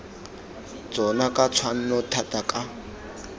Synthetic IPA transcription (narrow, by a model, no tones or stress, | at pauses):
t͡sɔnakʼat͡sʰwan̩nɔtʰatakʼa